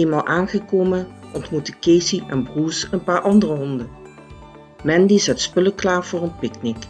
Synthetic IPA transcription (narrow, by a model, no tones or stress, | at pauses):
eːmaːlˠʔaːnχəkoːmənʔɔntmutəkeːsiʔɛnbruːsənpaːɹʔɑndərəɦɔndə | mɛndizɛtspɵləklaːv̥ʊːrənpɪknɪk